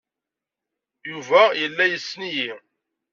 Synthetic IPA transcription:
juvæjəlːæjəsːniji

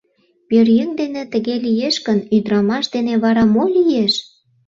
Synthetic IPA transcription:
pørjyŋd̪enĕt̪ə̆ɣelijeʃkənyd̪ɾɑmɑʃd̪eneβɑɾɑmolʲijeʃ

